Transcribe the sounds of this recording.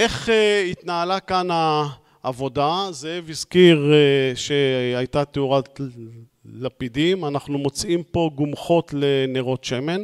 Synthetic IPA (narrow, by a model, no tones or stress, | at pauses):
ʔe̞χeit̪naːlakanaː | vo̞dazeevizkiʁʃe̞ajt̪at̪euʁat | lapidimanaχnumo̞t͡simpo̞ɡumχo̞t̪leneʁo̞t̪ʃe̞me̞n